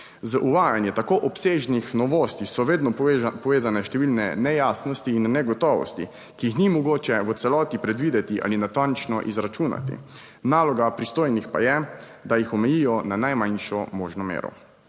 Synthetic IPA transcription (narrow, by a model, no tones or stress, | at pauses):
zaʔuʋaːjanjɛt̪akoːʔɔpseːʒnixnɔʋoːst̪isɔʋeːd̪nɔpɔʋeːzanɛʃt̪ɛʋiːlnɛnɛjaːsnɔst̪iːnːɛɡɔt̪ɔːʋɔ̰st̪ḭ | kiixnimɔɡoːt͡ʃɛʋət̪sɛlɔːt̪ipɾɛd̪ʋiːd̪ɛt̪iʔa̰linat̪ant͡ʃnɔʔizɾat͡ʃuːna̰t̪ḭ | naːlɔɡapɾist̪oːjnixpa̰jɛ | d̪ajixɔmɛjijɔnanajmanʃɔmoːʒnɔmḛːɾɔ̰